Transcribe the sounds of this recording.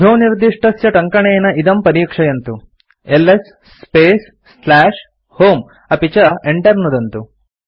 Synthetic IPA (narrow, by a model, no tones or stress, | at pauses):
d̪ʱoːniɾd̪iʂʈɐsjɐʈɐŋkɐɳejɐnɐʔid̪ɐmpɐɾiːkʂɐjɐnt̪u | elːesː | peːs | slaːʂ | hoːm | ɐpit͡ʃɐeɳʈɐɾnud̪ɐnt̪u